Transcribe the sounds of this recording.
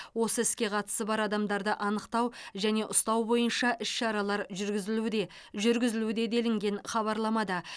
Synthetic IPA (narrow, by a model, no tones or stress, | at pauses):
wo̞səɪskʲe̞qʰɑt̪ə̥səbɑɾɑd̪ɑmd̪ɑɾd̪əʔɑnəqt̪ɑwʒæne̞ʔʊst̪ɑwbo̞jənʃɑʔɪsʃɑɾɑlˠɑɾʒɾɡʲɪzɪ | ʒʏɾɡʲɪzɪlud̪e̞d̪e̞lɪŋɡʲe̞ɴχɑβɑɾlˠɑmɑd̪ə